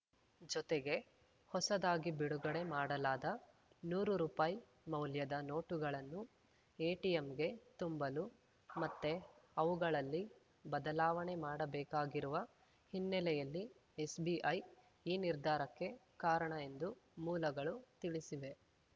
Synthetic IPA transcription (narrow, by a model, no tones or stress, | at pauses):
d͡ʒɔt̪eɡe̞ | hɔsɐd̪aːɡibiɽuɡɐɽe̞maːɽɐlaːd̪ɐ | nuːɾuɾuːpaːji | mɐwljɐd̪ɐno̞ːʈuɡɐɭɐnːu | eːʈijemɡe̞t̪umbɐlu | mɐt̪ːe̞ɐʋuɡɐɭɐlːi | bɐd̪ɐlaːʋɐɳe̞maːɽɐbɛːkaːɡiɾuʋɐ | hinːɛlɛjɐlːi | esbiʔɐj | iːniɾd̪ʱaːɾɐkːe̞kaːɾɐɳɐe̞nd̪umuːlɐɡɐɭut̪iɭisiʋe̞